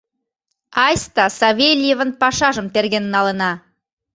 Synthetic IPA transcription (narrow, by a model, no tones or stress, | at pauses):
ɑjst̪ɑsɑvʲelʲjevənpɑʃɑʒəmt̪erɡʲennɑlə̆nɑ